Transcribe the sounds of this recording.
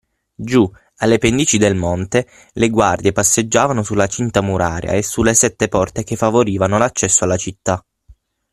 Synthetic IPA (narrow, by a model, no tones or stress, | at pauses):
d͡ʒu | alːepend̪iːt͡ʃid̪elmont̪e | leɡward̪jepasːed͡ʒːaːvanosulːat͡ʃint̪amuɾʔa̰ːɾj̰a̰esːulːesɛt̪ːepɔrt̪ekefːavoɾiːvanolat͡ʃːɛsːoalːat͡ʃit̪ːa